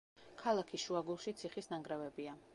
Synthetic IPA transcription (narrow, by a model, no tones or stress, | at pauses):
kʰalˠakʰiʃuaɡulˠʃit̪sʰiχisnaŋɡɾavɛbia